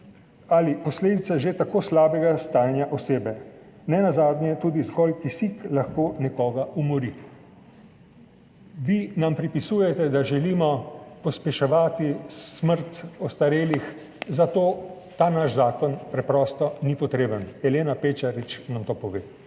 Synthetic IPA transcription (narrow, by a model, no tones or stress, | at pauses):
alipɔsleːd̪it̪saʒet̪akoːslaːbɛɡast̪aːnjaʔɔseːbɛ | nɛnazaːd̪nʲjɛt̪uːd̪izɡɔlkisiklaxkoːnɛkɔːɡaumɔɾi | ʋinampɾipisujɛt̪ɛd̪aʒɛliːmɔpɔspɛʃɛʋaːt̪issməɾt̪ɔst̪aɾeːlix | zat̪oː | t̪aːnaʃzaːkɔnpɾɛpɾɔːst̪ɔnipɔt̪ɾeːbənɛleːnapeːt͡ʃaɾit͡ʃnamt̪oːpɔʋeː